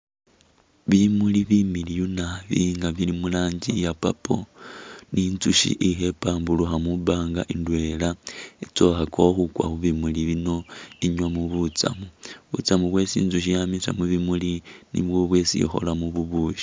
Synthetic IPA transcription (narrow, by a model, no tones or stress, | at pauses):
βimuliβimilijunaβiŋɡaβjilimulaːɲɟijapapo̞nint͡suʃḭʔixe̞paːmbuluxamuβaːŋɡaʔindwe̞laet͡soxakʰoxukwa̰xuβimuliβinoiɲwamuβut͡sa̰muβṵt͡samuβwe̞sḭːnzuʃ̬ijamisa̰muβimulinḭβwoβwe̞ːsḭxo̞̰lamuβuβuːʃi̥